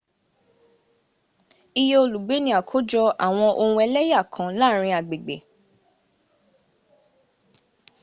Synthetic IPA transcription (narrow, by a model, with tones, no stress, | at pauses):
i˧je˧˦o˧lu˨ɡ͡be˨˦nĩ˧˦a˨kʰo˨˦d͡ʒɔ˧ʔa˨w̃ɔ̃˧ʔo˧ũ˧ɛ˧lɛ˦ja˦˨kʰã˨˦la˦˨ɾ̃ĩ˧a˨ɡ͡be˨ɡ͡be˨